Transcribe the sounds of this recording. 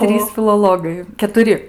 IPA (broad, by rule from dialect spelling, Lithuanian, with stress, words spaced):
ˈtʲrʲiːs fʲɪlˠoːˈlˠoːɡɐɪ kʲɛtʊˈrʲɪ